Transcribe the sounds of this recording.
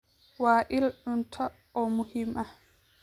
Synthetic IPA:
waːʔilɗuntʰɔ | ɔmuhimʔa

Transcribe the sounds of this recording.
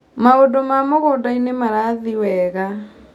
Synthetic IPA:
maodomamoɣoːdainemaɾaðiwɛɣa

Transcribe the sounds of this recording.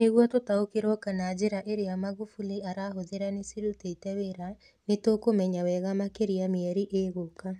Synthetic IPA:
neɣwɔtotaokeɾɔkanad͡ʒeɾaʔeɾejamaɣufuliaɾaɦoðeɾanesiɾuteitɛweɾa | netokomɛɲawɛɣamakeɾiameɛɾiʔeɣoka

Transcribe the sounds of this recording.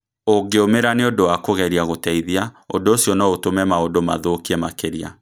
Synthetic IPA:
oŋɡeomeɾaneodowakoɣɛɾiaɣotɛiðiaondoːsjɔnɔotomɛmaodoma̰ðokiɛmakeɾia̰

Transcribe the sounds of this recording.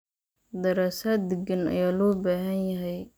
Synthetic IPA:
d̪ɐɾaːsaːd̪ɪɡɐnɐ̰jaːlɔːbaːɦɐnjɐɦɛj

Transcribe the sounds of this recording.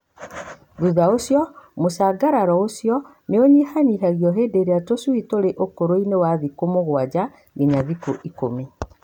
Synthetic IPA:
ðuðaosjɔmosaːɡaɾaɾɔosjɔ | neoɲihaniɦaɣjɔɦeːdeɾeatoswitoɾeʔokoɾoinewaðikomoɣwad͡ʑa | ɡeɲaðikoʔiko̰me

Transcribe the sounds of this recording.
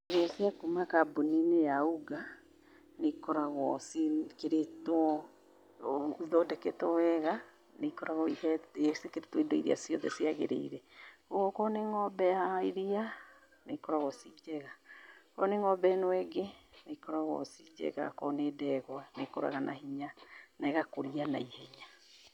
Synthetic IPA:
iɾiasiakumakaboninejauɡa | nekɔɾaɣɔsikeɾetwɔ | ðɔdɛkɛtɔwɛɣa | nekɔɾaɣɔihɛsekeɾetwɔidoiɾḭa̰siɔðɛ̰siaɣḛɾḛiɾɛkoɣɔkɔneŋɔbɛjaiɾia | nekɔɾaɣɔsid͡ʒɛɣakɔneŋɔbɛnwɛɡenekɔɾaɣwɔ̰sid͡ʒɛ̰ɣa̰kɔneːdɛɣɔnekɔɾa̰ɣanʔa̰hiɲanɛɣakoɾiana̰ihɛɲa

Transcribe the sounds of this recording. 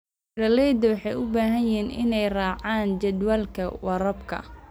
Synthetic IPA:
ɾɐlɛjd̪ɐwɑħɑjʊbaːɦɐɪiːnʔɪ̰nɛjraːʕaːnt͡ʃɐd̪walkʰɐwɐɾɐbkʰɐ̰

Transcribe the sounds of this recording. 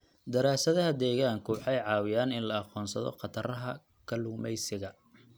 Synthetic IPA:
d̪ɐɾaːsɐðɐɦɐd̪ɛːɣaːŋkʰʊwɑħɑjʕɑːwɪjaːnɪnlɐɑqɔːnsɐðɔ̰qɑt̪ʰɐrɐɦɐ | kʰɐlʊːmɛjsɪɣɐ

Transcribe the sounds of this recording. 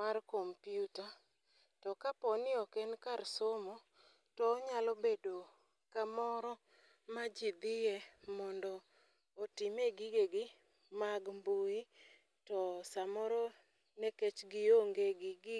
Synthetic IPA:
markompjuta | tɔkapɔnɪɔkɛnkarsomo | tɔːɲalɔbedo | kamɔɾɔ | mad͡ʒid̪ɪjɛmɔndɔː | tɪmeɡɪɡeɡɪ | maɡmbui | tɔsamɔɾɔ | neket͡ʃɡɪoŋɡeɡɪɡɪ

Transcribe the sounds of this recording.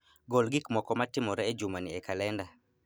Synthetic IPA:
ɡolɡɪkmɔkɔmatɪmɔɾɛed͡ʒumanɪɛkalɛnda

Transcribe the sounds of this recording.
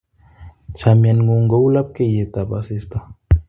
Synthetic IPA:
t͡ʃʰamjanɡuŋɡowlap̚kejet̪abasist̪a

